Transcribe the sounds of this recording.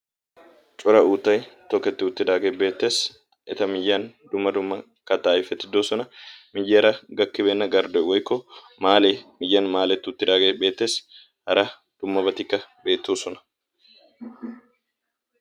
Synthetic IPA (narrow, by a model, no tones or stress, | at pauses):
t͡ʃʼʊɾɐuːt̪ːɐjt̪ɔkːɛt̪ːɪʊt̪ːɪd̪aːɡeːbe̞ːt̪ːe̞ːs | ɪt̪ɐmɪjːaːnd̪ʊmːɐd̪ʊmːɐ | kɐt̪aːjɪfɛt̪ːɪd̪oːsɔnɐmɪjːeːɾɐɡɐkːɪbeːnːɐɡɐɾd̪ɔwɔjkːɔ | maːleːmɪjːaːnmaːlɛt̪ːɪʊt̪ːɪd̪aːɡeːbe̞ːt̪ːe̞ːs | hɐɾɐ | d̪̥ʊmːɐbɐt̪ɪkːɐbe̞ːt̪ːuːsɔnɐ̥